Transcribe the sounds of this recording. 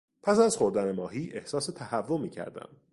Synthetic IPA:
pʰæsæzχo̞ɾd̪ænemɒːɦiːʔe̞hsɒːse̞t̪ʰæhævːomiːcʰæ̰ɾd̪æ̰m

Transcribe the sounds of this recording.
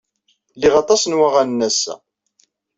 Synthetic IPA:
liʁɑt̪ˤɑsnwaʁannːæsæ̰

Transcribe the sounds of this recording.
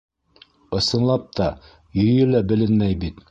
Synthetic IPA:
ɤ̆sɤ̆nlˠɑp̚t̪ʰɑ | jɵ̆jɘlæbɘ̆lɘnmæjbit̪

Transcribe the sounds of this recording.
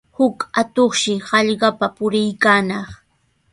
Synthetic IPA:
hʊkat̪oχʃɪhɑʎɢɑpapʊɾɪjkaːnɑχ

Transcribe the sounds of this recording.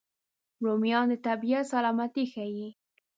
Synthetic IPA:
ɾomijɑnd̪ət̪abijat̪salɑmat̪ixaji

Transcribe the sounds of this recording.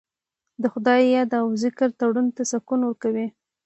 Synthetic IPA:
d̪əxʊd̪ɑjːɑd̪awzɪkɪɾt̪aɽunt̪asakunwəɾkawi

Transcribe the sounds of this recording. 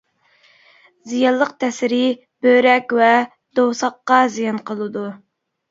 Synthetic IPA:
zijɑnlˠəq̚t̪ʰɛsɪɾɪ | b̥øɾɛkʲvɛ | d̪owsɑqːɑzijɑnqʰəlˠɨd̪u

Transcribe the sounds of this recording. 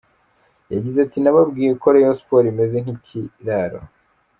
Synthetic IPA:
jaɟizatinaβabɡiːjeko̞ɾejospo̞ɾime̞ze̞ŋ̥hiciɾaɾo̰

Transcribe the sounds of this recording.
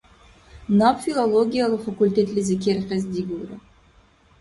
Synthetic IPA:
nawfʲilˠolˠoɡʲijalˠəqfakulʲt̪ʲet̪lʲɪzʲɪk̬ʲeɾqəzd̪iɡʲuɾɪ̰

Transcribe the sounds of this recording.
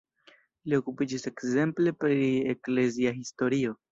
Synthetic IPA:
lio̞kupid͡ʒise̞kze̞mple̞pɾiekleziaɦisto̞ɾio̞

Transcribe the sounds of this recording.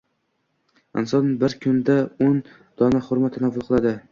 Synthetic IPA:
ɪnsɒnbɪɾkʰʊnd̪aon | d̪̥ɒnaχʊɾmat̪ʰːanavʊlˠqʰɨlˠad̪ɪ

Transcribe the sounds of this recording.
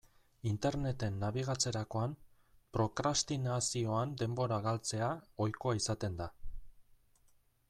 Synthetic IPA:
int̪e̞ɾne̞t̪e̞nːaβiɣ̞at͡se̞ɾako̞am | pɾo̞kɾast̪inasio̞and̪e̞mbo̞ɾaɣalt͡se̞ao̞jko̞aisat̪e̞nd̪a

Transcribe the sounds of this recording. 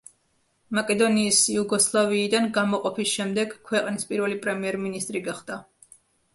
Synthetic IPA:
makʼɛd̪ɔniːsjuɡɔslˠaviːd̪anɡamɔqʼɔpʰisʃɛmd̪ɛɡ̥kʰwɛqʼnispʼiɾvɛlipʼɾɛmiɛɾminist̪ʼɾiɡaχd̪a

